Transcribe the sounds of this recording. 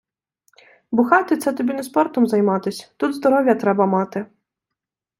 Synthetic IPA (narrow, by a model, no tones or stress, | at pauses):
bʊxɑt̪ɪt̪sɛt̪ɔbʲinɛspɔrt̪ɔmzɐjmɑt̪ɪsʲt̪ud̪zd̪ɔɾɔwʲjɐt̪ɾɛbɐmɑt̪ɪ